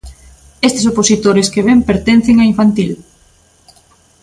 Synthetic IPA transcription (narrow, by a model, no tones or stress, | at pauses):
est̪e̥soposit̪oɾeskeβempeɾt̪en̟θɪŋɐiɱfant̪il